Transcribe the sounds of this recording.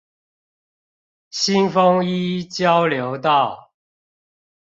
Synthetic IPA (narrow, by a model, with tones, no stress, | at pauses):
ɕi˦nfo˦˥ŋi˦˥t͡ɕjɑ˦˥ʊljo˨˦ʊt̪ɑ˥˨ʊ